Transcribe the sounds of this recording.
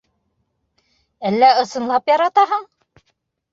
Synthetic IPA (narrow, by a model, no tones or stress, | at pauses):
ælːæɤ̆sɤ̆nlˠɑpjɑɾɑt̪ɑɦɤɴ